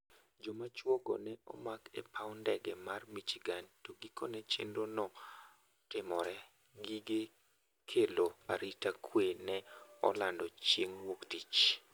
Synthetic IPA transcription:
d͡ʒɔmat͡ʃwɔɡɔ̰nɛɔ̰makɛ̰pʰawndɛɡɛmarmit͡ʃiɡantoɡiko̰nɛt͡ʃḛndonɔ | tɪmɔɾɛ | ɡiɡe | kʰeloaɾitakʰwenɛɔ̰landɔt͡ʃeŋwoktit͡ʃ

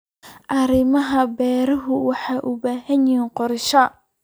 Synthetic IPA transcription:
ʔɐɾɪmɐɦɐbɛːɾɐɦʊwɑħɑːʔʊbaːɦɐnjiiːqɔrʃɐ

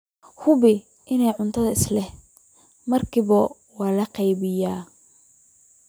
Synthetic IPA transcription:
hʊβɪ | ʔɪnɛjʕʊnt̪ʰɐðɐɪslɛh | mɐrkʰiβɐ | wɑːlɐqɑjβɪjaː

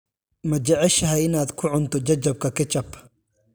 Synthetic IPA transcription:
mɐt͡ʃɐʕɛʃɐɦɛjɪnaːd̪kʰʊʕʊnt̪ʰɔt͡ʃɐt͡ʃːɐb̚kʰɐkʰɐt͡ʃɐb

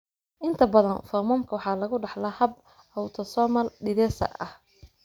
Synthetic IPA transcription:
ʔɪnt̪ʰɐbɐðɐnfɔmɔːmkʰɐwɑħɑːlɐɣʊɖɑħlɐhɐb | hɔwt̪ʰɔsɔmɐlɖɪðɛːsɐ̰ɐh

